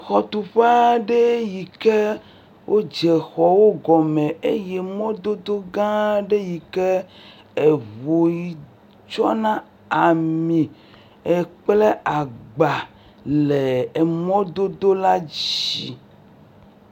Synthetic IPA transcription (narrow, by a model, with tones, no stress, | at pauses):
xɔ˨t̪u˨ɸa˦ɖe˦ji˨ke˦ | wʔo˦d͡ʒɛ˨xɔ˨wo˦ɡɔ˨mẽ˨e˦je˦mɔ̃˦d̪o˦d̪o˦ɡã˦ɖe˦ji˨ke˦ | e˨βo˨ji˨ | t͡ʃɔ˦nã˦ | a˨mĩ˨ | e˨k͡ple˦a˨ɡ͡ba˨ | le˨e˨mɔ̃˦d̪o˦d̪o˦la˦d͡ʑi˨